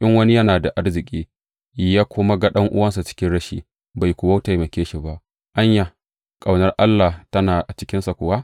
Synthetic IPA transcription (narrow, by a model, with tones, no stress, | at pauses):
ʔɪ˦ŋwɐ˦ni˦jɐ˦naː˨da˨ʔa˦rzɪ˨kʲʼiː˦˨˦ | jaː˦kʷʊ˦ma˦ɡa˦ɗɐ˦ŋʔʊ̰˦wɐ˦ns̬a˨t͡ʃɪ̥˦kʲɪ˦nɽɐ˦ʃḭː˦ | ba˨jkʷʊ˨wa˦wtɐ˨jmɐ˨kʲeː˦ʃi˨ba˦ʔ | ʔa˦ɲja˨ | kʼa˨wnɐ˦rʔa˦lːa˨htɐ˦naː˨ʔa˨t͡ʃɪ̥˦kʲɪ˦nsa˨kʷʊ˨wa˦ʔ